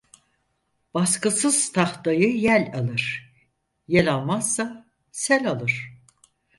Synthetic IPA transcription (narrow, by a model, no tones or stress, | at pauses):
b̥askɯsɯz̥t̪ʰaxt̪ajɯjælʲalˠɯɾ̥ | jelʲalˠmazsa | sɛlʲalˠɯɾ̝̥